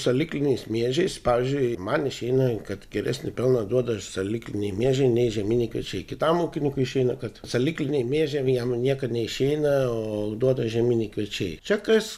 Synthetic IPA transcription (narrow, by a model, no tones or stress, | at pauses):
sɐlʲɪklʲɪnʲɛɪsmʲeɛʒʲɛɪspɑːʋʲɪzʲd͡ʒʲʊɪmɐnɪʃʲɛɪnɐkɐt̪ɡʲɛɾʲæsʲnʲɪpʲɛlˠnɐd̪uɔd̪ɐsɐlʲɪklʲɪnʲɛɪmʲeɛʒʲɛɪnʲɛɪʒʲɛmʲiːnʲɛɪkʋʲiɛ̰t͡ʃʲɛɪkʲɪt̪ɐmuːkʲɪnʲɪkʊɪɪʃʲɛɪnɐkɐt̪sɐlʲɪklʲɪnʲɛɪmʲeːʒʲɛjɛmnʲiɛkɐtnʲɛɪʃʲɛɪnɐoːd̪uɔd̪ɐʒʲɛmʲiːnʲɛɪkʋʲɛt͡ʃʲɛɪt͡ʃʲɛkɐs